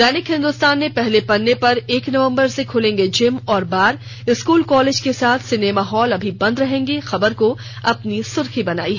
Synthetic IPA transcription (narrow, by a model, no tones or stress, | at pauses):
d̪ɛːnɪkɦɪ̃nd̪ʊst̪aːnːepɛɦlepɐnːepɐɾeːknɐʋə̃mbəɾsekʰʊlẽːŋɡed͡ʒɪmɔːɾbaːɾ | ɪskuːlkɔːleːd͡ʒkesaːt̪ʰsɪnemaːɦɔːlɐbʱibɐ̃nd̪ɾɐɦẽːŋɡexɐbəɾko | ɐpnisʊɾxibɐna̰ːiɦɛː